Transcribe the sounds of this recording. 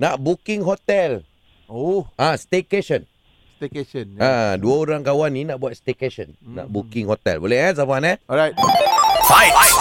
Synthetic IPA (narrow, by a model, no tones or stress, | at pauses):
naʔbukĩŋɦɔt̪ɛl | oãst̪ekeʃə̃n | st̪ekeʃə̃naduəoɾãŋkawanːĩnaʔbuat̪̚st̪ekeʃə̃nːã̰ʔbukĩŋhɔt̪ɛ̰lbolɛhɛs̬afanɛɔɹajt̚ | ajaj